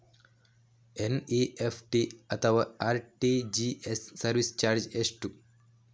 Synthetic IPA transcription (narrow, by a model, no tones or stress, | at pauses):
eniefʰʈiɐt̪ʰɐʋaaːɾʈid͡ʒiesːɐɾʋist͡ʃaːɾd͡ʒesʈu